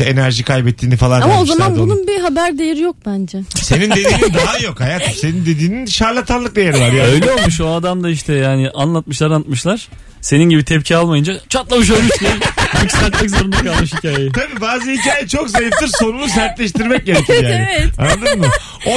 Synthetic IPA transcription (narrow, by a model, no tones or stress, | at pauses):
enæɾʒikʰajbɛt̪ʰːiːnifalˠanamaozamanb̪ununbiɦabæɾd̪ejeɾijok̚bænd͡ʒɛsenined̪iːnind̪aɦajo̞khajat̪se̞nind̪e̞d̪iːninʃaɾlˠat̪ʰanlˠɯk̚d̪ajeɾivaɾjaø̞jlʲɛolˠmuʃoad̪amd̪aiʃt̪ʰɛjaːnɪʔanlˠat̪̚mɯʃlˠaɾant̪mɯʃlˠaɾ̥ | se̞ninɟibit̪ʰɛp̚cʰialˠmajɯnd͡ʒat͡ʃʰat̪lˠabuʃ̬øɾmyʃcinocsælʲt̪̚mɛc̬zoɾund̪akʰalˠmɯʃhicʰaːjeeit̪ʰabiːbaːzɯhicaːjit͡ʃʰo̞kzajift̪ɯɾso̞nunus̬æɾt̪lʲɛʃt̪iɾmɛc̚ɟe̞ɾecʰiɾjaːnɛɛt̪anːad̪ɯɾmɯ | o